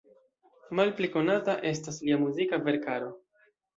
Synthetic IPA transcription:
malpliko̞nataʔe̞stasliamuzikave̞ɾkaɾo̞

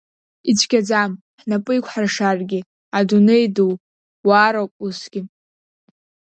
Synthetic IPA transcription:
it͡ʃʷʰɡʲad͡zam | ħnapʼɨjkʷʰħarʂarɡʲɪ | adunejdow | waːɾokʼusɡʲɪ

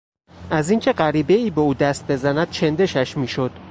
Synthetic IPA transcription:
ʔæziːŋcʰe̞ɢæɾiːbeiːbeuːd̪æst̪̚be̞zænæd̪̥̚t͡ʃʰend̪e̞ʃæʃmiːʃod̪̥

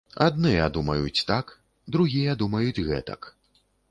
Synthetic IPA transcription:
ad̪nɨjɐ̰d̪umɐjut͡sʲt̪ak | d̪ɾuɣʲijɐd̪umɐjud͡zʲɣɛ̰t̪ɐ̰k

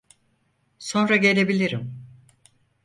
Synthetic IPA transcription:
so̞nɾaɟe̞lʲe̞bilʲiɾim

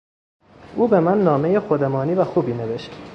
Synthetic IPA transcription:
ʔuːbe̞mænːɒːmejexod̪emɒːniːvæxuːbiːne̞veʃt̪

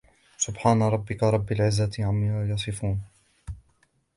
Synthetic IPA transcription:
sʊbħaːnaɾˤɑbːɪkaɾˤɑbːɪlʕɪzːat̪ʕamːɪɾajɑsˤɨfuːn

